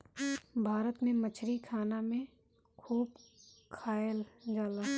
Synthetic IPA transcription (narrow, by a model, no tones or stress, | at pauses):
bʱaːɾət̪mẽmət͡ʃʰɾikʰaːnamẽ | kʰuːbkʰaːjəld͡ʒaːlaː